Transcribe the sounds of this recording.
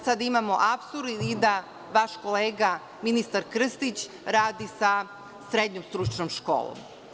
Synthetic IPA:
sad̪imamo̞ʔapsuɾid̪a | ʋaʃko̞leːɡa | minist̪aɾkr̩st̪it͡ɕ | ɾaːd̪isa | sɾed̪ɲomst̪ɾut͡ʃnomʃko̰ːlˠo̰m

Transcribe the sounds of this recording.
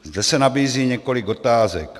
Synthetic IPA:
zdɛsɛnabiːziːɲɛko̞lɪɡo̞t̪aːzɛk

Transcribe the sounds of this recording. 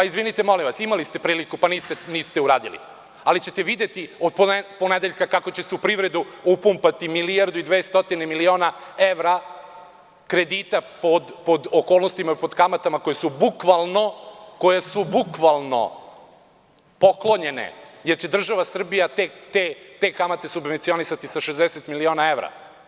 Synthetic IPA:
paizʋinit̪emo̞limʋasimalist̪e̞pɾiːlikupaniːst̪eniːst̪euɾa̰ːd̪ḭlḭ | alit͡ɕet̪e̞ʋid̪e̞t̪iod̪̚poponed̪eʎkakako̞t͡ɕeseupɾiʋɾe̞d̪uupumpat̪imiliaɾd̪uid̪ʋeːst̪o̞t̪inemilio̞ːnaeʋɾa | kɾe̞d̪it̪apod̪pod̪okoːlˠnost̪imapo̞d̪kamat̪amakojesubukʋalˠno̞ko̞jesubukʋalˠno̞̰ | po̞klˠoɲe̞nḛje̞ɾt͡ɕe̞d̪r̩ʒaʋasr̩bijat̪et̪et̪ekamat̪e̞subʋent̪sio̞nisat̪isaʃezd̪eset̪milio̞ːnae̞vɾa̰

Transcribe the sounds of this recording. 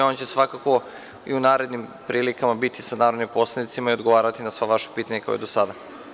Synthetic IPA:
o̞nt͡ɕe̞sʋakako̞ | iunaːɾe̞d̪nimpɾiːlikamabit̪isanaːɾod̪nimpo̞sled̪it̪simaio̞d̪ɡoʋaːɾat̪inasʋaʋaʃe̥piːt̪aɲeka̰o̰d̪o̞sad̪a

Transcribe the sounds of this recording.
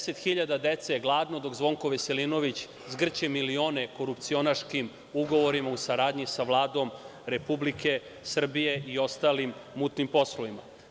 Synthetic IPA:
set̪xiʎad̪ad̪et̪seɡlˠaːd̪no̞d̪o̞ɡzʋo̞ŋko̞ʋeselino̞ʋit͡ɕ | zɡr̩t͡ɕemilio̞ːne̞ko̞ɾupt̪sio̞naʃkim | uɡo̞ʋoɾimausaɾaːd̪ɲisaʋlˠaːd̪o̞mɾe̞publike̞ | sr̩bijeʔio̞st̪alimːut̪nimpo̞sloʋima

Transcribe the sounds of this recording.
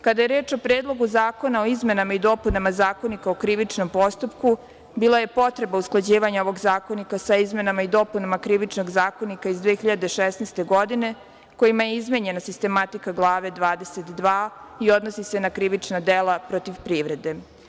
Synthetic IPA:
kad̪aje̞ɾeːt͡ʃo̞pɾeːd̪lˠo̞ɡuzaːko̞nao̞izme̞namaid̪o̞punamazaːko̞nikaokɾiʋit͡ʃno̞mpo̞st̪upku | biːlˠaje̞po̞t̪ɾe̞bausklˠad͡ʑiːʋaɲaoʋo̞ɡzaːko̞nikasaizme̞namaid̪o̞punamakɾiʋit͡ʃno̞ɡzaːko̞nikaizd̪ʋeːçiʎad̪e̞ʃesnest̪e̞ɡo̞d̪ine̞ | ko̞jimajeizmeɲe̞nasist̪e̞mat̪ikaɡlˠaːʋe̞d̪ʋaːd̪e̞set̪d̪ʋaːio̞d̪nosise̞nakɾiʋit͡ʃnad̪elapɾot̪iʋpɾiʋɾe̞d̪e̞

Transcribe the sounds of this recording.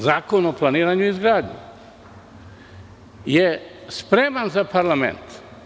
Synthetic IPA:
zaːko̞noplˠaniːɾaɲuizɡɾaːd̪ɲṵ | jespɾemanzapaɾlamḛnt̪

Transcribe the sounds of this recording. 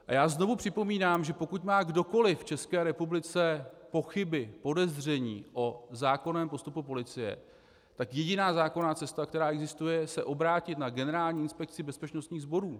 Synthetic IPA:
ʔajaːzno̞vupr̥ɪpo̞miːnaːmʒɛpo̞kut̪maːɡdo̞ko̞lɪft͡ʃɛskɛːɾɛpublɪt͡sɛpo̞xɪbɪpo̞dɛzrɛɲḭːʔo̞zaːkonɛːmpo̞st̪upupo̞lɪt͡sɪjɛ̰ | t̪akjɛɟɪnaːzaːko̞naːt͡sɛst̪akt̪ɛɾaːɛɡzɪst̪ujɛsɛʔo̞bɾaːcɪt̪naɡɛnɛɾaːlɲiːɪnspɛk̚t͡sɪbɛspɛt͡ʃnost̪ɲiːɣzbo̞ɾuː

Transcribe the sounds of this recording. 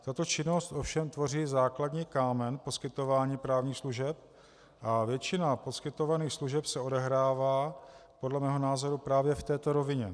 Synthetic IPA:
t̪at̪o̞t͡ʃɪno̞st̪ʔo̞fʃɛmt̪vo̞riːzaːkladɲiːkaːmɛnpo̞skɪt̪o̞vaːɲiːpɾaːvɲiːxsluʒɛp̚ | ʔavjɛt͡ʃɪnapo̞skɪt̪o̞vaniːxsluʒɛpsɛo̞dɛɦɾaːvaːpodlɛmɛːɦo̞naːzo̞ɾupɾaːvjɛft̪ɛːt̪oɾo̞vɪɲɛ

